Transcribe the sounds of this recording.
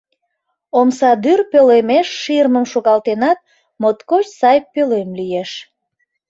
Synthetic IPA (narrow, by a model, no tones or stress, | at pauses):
omsɑd̪yrpølemeʃːirməmʃoɣɑlt̪enɑt̪̚ | mot̪kot͡ɕsɑjpølemlijeʃ